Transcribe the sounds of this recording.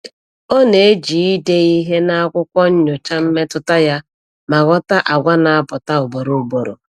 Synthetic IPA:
ɔ˦ne˨e˦d͡ʒi˨i˦de˦i˦ɦe˦na˦a˦kʷʊ˦kʷɔ˦ɲ̩˦ɲʊ˨t͡ʃa˦m̩˦me˦tʊ˦ta˦ja˦ | ma˨ɣɔ˦ta˦ʔa˨ɡʷa˦na˨a˦bɔ˨ta˦ʊ˨bo˨ɾo˨bo˨ɾo̰˨

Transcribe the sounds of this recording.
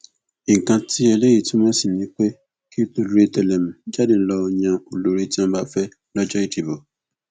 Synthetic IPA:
i˨ŋ̩˨kã˧ti˦ɛ˧le˦ji˦˨tĩ˦mɔ̃˦si˦˨nĩ˨˦k͡pe˦ | ki˦to˧lu˦ɾe˦tɛ˨lɛ˨m̩̃˨d͡ʒa˦de˦lɔ˦o˧ɲã˧o˨lo˨ɾi˧ti˦ɔ̃˦ba˦fɛ˦ | lɔ˦d͡ʒɔ˦i˦˨ti˨bo˨

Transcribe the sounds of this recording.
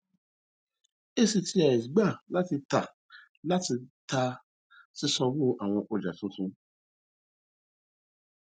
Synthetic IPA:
e˦si˧ti˧˦a˨ɛ˨si˨ɡ͡ba˦˨la˨˦ti˧ta˨ | la˦ti˧ta˧ | si˦sɔ˧bo˦ʔa˨w̃ɔ̃˧ʔo˧d͡ʒa˨tũ˦sũ˧˦

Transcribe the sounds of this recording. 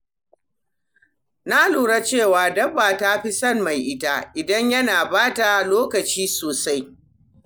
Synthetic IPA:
na˦luː˨ɽa˦t͡ʃeː˦˨waː˨dɐ˦baː˨ta˦ɸi˦sɐ˦nma˨jʔɪ˦ta˦ʔɪ˨dɐ˦ɲjɐ˦naː˨baː˦ta˨loː˦kɐ˨t͡ʃiː˦soː˨sa˦j

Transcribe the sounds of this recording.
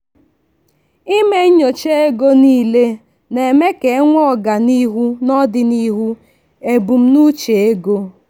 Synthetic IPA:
i˦me˦ɲo˨t͡ʃe˦e˦ɡo˦niː˦le˦ | ne˨me˦ke˨˦ŋʷɔ˦ɔ˦˨ɡa˨ni˦ɦu˦nɔ˦dɪ˦ni˦ɦu˦ | e˨bu˨m̩˦nu˦t͡ʃe˨e˦ɡo˦

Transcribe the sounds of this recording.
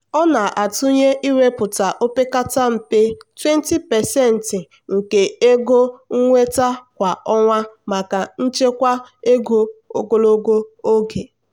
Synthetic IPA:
ɔ˦na˨ʔa˨tʊ˦ɲe˦ʔi˦we˦pʊ˨ta˨ʔo˦pe˦ka˦ta˦m̩˨pe˦twe˦n˦ti˦pɛ˨sɛ˦˨n̩˨tɪ˨ | ŋ̩˨ke˨e˦ɡo˦ŋ̩˦ŋʷe˦ta˦kʷa˨ɔ˦ŋʷa˦ma˨ka˨n̩˦t͡ʃe˦kʷa˦e˦ɡo˦o̰˦ɡo˦lo˦ɡo˦o˦ɡe˨

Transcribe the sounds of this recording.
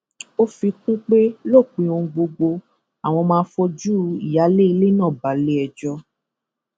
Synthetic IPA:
o˦fi˧kũ˦k͡pe˦lo˦˨k͡pĩ˧õ˧ɡ͡bo˧ɡ͡bo˧ | a˨w̃ɔ̃˧mãː˧˦fɔ˧d͡ʒu˦i˨ja˨˦le˦i˧le˦nãː˦˨ba˨˦le˦ɛ˧d͡ʒɔ˧

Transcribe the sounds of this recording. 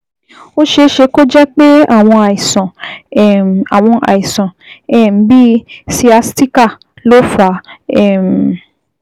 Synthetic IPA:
o˦ʃe˧ʃe˧ko˦d͡ʒɛ˦k͡pe˦a˦˨w̃ɔ̃˧a˨i˨sɔ̃˨ | a˨w̃ɔ̃˧ʔa̰˨i˨sɔ̃˨ | ɛ˦˨m̩˦bi˦si˧˦a˧sti˦ka˦˨ | lo˦fa˨˦ɛ˦˨m̩˨

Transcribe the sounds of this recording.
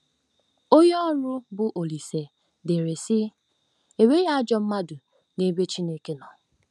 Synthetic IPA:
o˦jɔ˦ɾʊ˦bʊ˨ʔo˨li˨se˨ | de˨ɾe˨sɪ˦ | e˨we˦ja˦d͡ʒɔ˦m̩˦ma˦dʊ˨ | ne˦be˦t͡ʃi˦ne˦ke˦nɔ˨

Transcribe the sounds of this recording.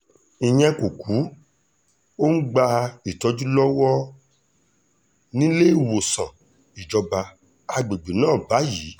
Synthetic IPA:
i˧j̃ɛ̃˧ko˨ku˨˦ | o˦n̩˦ɡ͡ba˧i˨tɔ˧d͡ʒu˦lɔ˦wɔ˦ | nĩ˦le˦i˦˨wo˨sã̰˨ | i˨d͡ʒɔ˧ba˧ | a˧ɡ͡be˨ɡ͡be˨nãː˦˨ba˨˦jiː˨˦

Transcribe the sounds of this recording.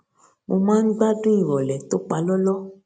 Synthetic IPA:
mo˧mãː˦n̩˦ɡ͡ba˦dũ˦i˨ɾɔ˨lɛ˨t̪o˦k͡pa˧lɔ˦lɔ˦

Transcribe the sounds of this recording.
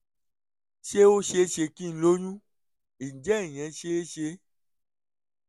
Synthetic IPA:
ʃe˦o˦ʃe˧˦ʃe˧kĩ˦n̩˦lo˦ɲũ˦ | i˨d͡ʒɛ˦˨j̃ɛ̃˨˧˦ʃe˦ʃe˧

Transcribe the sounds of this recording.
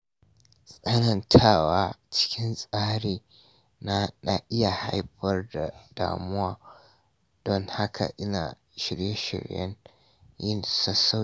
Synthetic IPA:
sʼɐ˦nɐ˨ntʰaː˦˨waː˦t͡ʃɪ̥˦kʲʰɪ˦nsʼaː˦ɽeː˨ | na˦na˦ʔɪ˦ja˨ha˦jɸɐ˦rda˨d̥a̰ː˨mʊ˦waː˨ | d̥ɔ˦ŋha˦kʰa̰˨ʔɪ˦na̰ː˨ | ʃɪ˨ɽje˦ʃɪ̰˨ɽjɐ̰˦n | jɪ˦nsɐ˦sa˦

